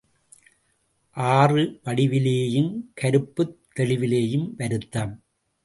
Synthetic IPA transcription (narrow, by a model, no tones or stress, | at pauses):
ʔaːrɯʋɐɽɪʋɪleːjɯmkɐɾɯpːɯt̪ːɛɭɪʋɪleːjɯmʋɐɾɯt̪ːɐːm